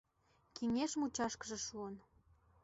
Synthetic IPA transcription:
kiŋeʃmut͡ɕɑʃkəʒĕʃuən

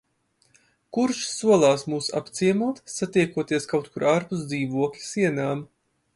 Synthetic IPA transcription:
kuɾʃsuɔlˠaːsmuːsa̰pt̪siɛmuɔt̪sat̪ijkuɔt̪iɛskawt̪kuɾaɾpus̬d̪ziːvuɔklʲi̥siɛnaːm

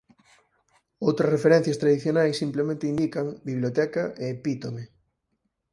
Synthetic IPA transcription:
owt̪ɾɐsrefeɾɛn̟θjɐst̪ɾaðiθjonajsːimplemẽnt̪eind̪ikɐŋbiβ̞lot̪ɛkaʔeːpit̪ome

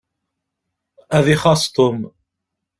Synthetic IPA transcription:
æðiχɑsˤt̪ʊm

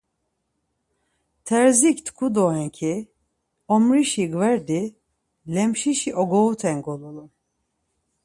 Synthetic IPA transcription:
t̪ʰɛɾzikt̪kʰud̪ɔɛŋkʰi | ɔmɾiʃiɡvɛɾd̪i | lɛmʃiʃiʔoɡout̪ʰɛŋɡolˠulˠu

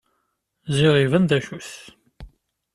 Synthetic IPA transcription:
ziʁivənd̪æʃuθ

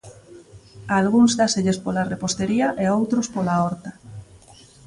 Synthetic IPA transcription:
alɣuŋzdaseʎespolarepost̪eɾiaʔeowt̪ɾospolaɔɾt̪a

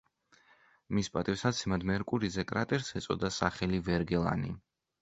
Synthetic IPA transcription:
mispʼat̪ʼifsad̪sʰimad̪mɛɾkʼuɾizɛkʼɾat̪ʼɛɾsɛt̪sʼɔ̰d̪asaχɛlivɛɾɡɛlˠa̰nḭ

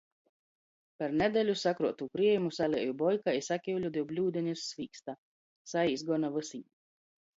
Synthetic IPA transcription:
paɾnɛd̪ʲɛlʲusakɾuɔt̪ukɾiɛjumusalʲiɛjubɔjkaisakʲiwlʲud̪ʲiwblʲuːd̪ʲɛnʲisːvʲiːkst̪a | saisɡɔnavɨsiɲ

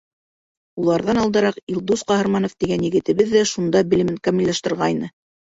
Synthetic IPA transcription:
ulˠɑɾðɑnɑlˠd̪ɤ̆ɾɑqilˠd̪usqɑɦɤ̆ɾmɑnoft̪iɡænjɘ̆ɡɘ̆t̪ɘ̆βɘðːæʃund̪ɑbɘ̆lɘ̆mɘŋkɑmilʲːɑʃt̪ɤ̆ɾʁɑjnɤ

